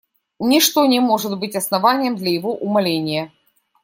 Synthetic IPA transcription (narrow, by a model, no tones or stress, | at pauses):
nʲɪʂt̪onʲɛmoʐɨt̪bɨtʲɐsnɐvanʲɪjəmd̪lʲɐjɪvoʔʊmɐlʲenʲɪjə